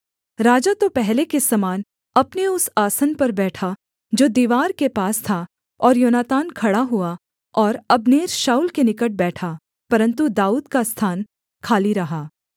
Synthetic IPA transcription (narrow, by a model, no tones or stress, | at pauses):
ɾaːd͡ʒat̪opɛɦlekesɐmaːn | ɐpneʊsaːsənpɐɾbɛːʈʰa | d͡ʒoːd̪iːʋaːɾkepaːst̪ʰa | ɔːɾjoːnaːt̪aːnkʰɐɽaɦua | ɔːɾɐbneːɾʃaːuːlkenɪkəʈ̚bɛːʈʰa | pɐɾə̃nt̪ud̪aːuːd̪kast̪ʰaːn | kʰaːliɾɐɦaː